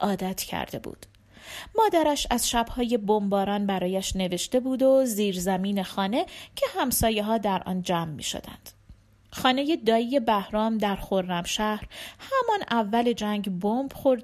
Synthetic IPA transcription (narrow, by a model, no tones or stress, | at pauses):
ʔɒːd̪æt̪ʰcʰæ̰ɾd̪e̞̰bṵːd̪̥ | mɒːd̪æɾæʃæz̥ʃæbhɒːje̞bombɒːɾɒːnbæɾɒːjæʃne̞ve̞ʃt̪e̞buːd̪o̞ziːɾzæmiːne̞xɒːne̞cʰe̞hæmsɒːje̞ɦɒːd̪æɾʔɒ̰ːnd͡ʒæːmːḭːʃo̰d̪æ̰nd̪̥ | xɒːne̞je̞d̪ɒːije̞bæhɾɒːmd̪æɾxo̞ɾːæmʃæhɾhæmɒnævːæle̞d͡ʒæŋɟbomb̥xoɾd̪